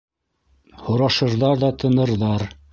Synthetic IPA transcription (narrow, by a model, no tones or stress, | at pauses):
hŏɾɑʃɤ̆ɾðɑɾðɑt̪ʰɤ̆nɤ̆ɾðɑɾ